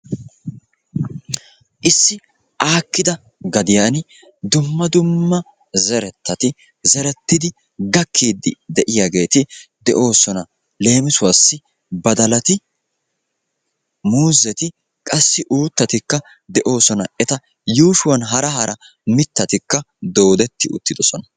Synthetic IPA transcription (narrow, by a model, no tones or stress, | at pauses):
ʔɪsːɪ | ʔaːkːɪd̪ɐ | ɡɐd̪ɪjaːn | d̪ʊmːɐd̪ʊmːɐ | zɛɾɛt̪ːɐt̪ɪ | zɛɾɛt̪ːɪd̪ɪ | ɡɐkːiːd̪ːɪ̰d̪ɛʔɪjaɡe̞ːt̪ɪd̪ɛʔo̞ːsɔnɐ | le̞ːmɪsʊwasːɪ | bɐd̪ɐlɐt̪ɪ | muːzɛt̪ɪ | kʼɐsːɪʔuːt̪ːɐt̪ɪkːɐ | d̪ɛʔo̞ːsɔnɐɛt̪ɐ | juːʃʊwɐnɦɐɾɐɦɐɾʔɐ | mɪt̪ːɐt̪ɪkːɐ | d̪o̞ːd̪ɛt̪ːɪʊ̰t̪ːɪd̪ɔsɔnɐ